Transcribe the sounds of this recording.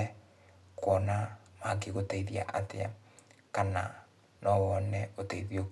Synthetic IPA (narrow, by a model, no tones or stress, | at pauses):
ɛ | kwɔnamak̬eɣotaiðia̰ʔatea̰kana | nɔwɔnɛotaiðio